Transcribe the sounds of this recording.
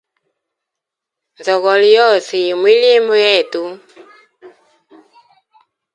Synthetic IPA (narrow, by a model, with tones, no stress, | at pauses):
nd͡zɔ˨ɣɔ˨li˨jɔ˦˨si˨mwi˦li˦mbɔ˦jɛ˦˨tu˦